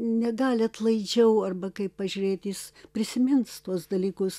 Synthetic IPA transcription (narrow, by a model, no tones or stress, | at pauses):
nʲɛɡɑːlʲɐt̪lˠɐɪd͡ʒʲɛʊɐrbɐkɐɪppɐʒʲuːɾʲeːt̪ʲjɪspʲɾʲɪsʲɪmʲɪnst̪uɔsd̪ɐlʲiːkʊs